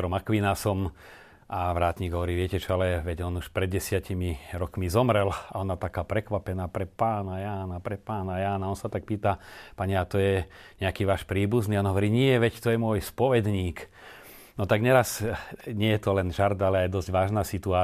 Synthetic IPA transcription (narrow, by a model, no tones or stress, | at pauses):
ɾɔmakʋinasɔm | ʔaʋɾaːt̪ɲiːɡɦɔʋɔɾiːʋɪɛcɛt͡ʃɔalɛʋɛɟɔnuʃpɾɛd̪ɟɛsɪacimiɾɔkmizɔmɾɛlaɔnat̪akaːpɾɛkʋapɛnaːpɾɛpaːnajaːnapɾɛpaːnajaːnaɔnsat̪ak̚piːt̪apaɲɛat̪ɔjɛɲɛakiːʋaːʃpɾiːbuzniːɔnɦɔʋɔɾiːɲɪɛʋɛct̪ɔjɛmʊɔjspɔʋɛd̪ɲiːk | nɔt̪aɡɲɛɾazɲɪɛjɛt̪ɔlɛnʒaɾd̪alɛajd̪ɔzɟʋaːʒnaːsit̪uaː